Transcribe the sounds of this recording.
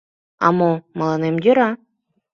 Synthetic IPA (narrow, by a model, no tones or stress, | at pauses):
ɑ̰momɤ̆lɤnemjøɾɑ